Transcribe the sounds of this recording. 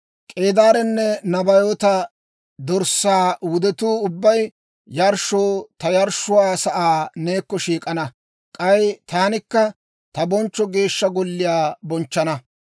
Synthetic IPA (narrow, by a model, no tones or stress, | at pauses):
kʼe̞ːd̪aːɾɛnːɛnɐbɐjoːt̪ɐ | d̪ɔɾsːaːwʊd̪ɛt̪uːʊbːɐj | jɐɾʃoːt̪ɐjɐɾʃʊwaːsɐʔaːne̞ːkːɔʃiːkʼɐnɐ | kʼɐjt̪aːnɪkːɐ | t̪ɐbɔnt͡ʃːɔɡe̞ːʃːɐɡɔlːɪjaːbɔnt͡ʃːɐnɐ